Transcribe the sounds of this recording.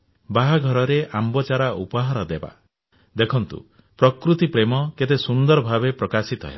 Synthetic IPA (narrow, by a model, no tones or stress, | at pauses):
baɦaɡʱɔɾɔɾeʔambɔt͡ʃaɾaupɔɦaɾɔd̪eba̰ | d̪ekʰɔnt̪ṵ | pɾɔkɾut̪ipɾemɔket̪esund̪ɔɾɔbʱabepɾɔkasit̪ɔ̰ɦḛla